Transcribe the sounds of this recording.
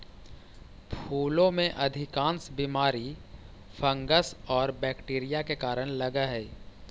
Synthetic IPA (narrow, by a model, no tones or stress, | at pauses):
pʰuːlõmẽʔɐd̪ʱɪkãːnsbiːmaːɾi | pʰə̃ŋɡəsɔːɾbɛːkʈeːɾɪjakekaːɾəɽ̃ləɡaɦɛ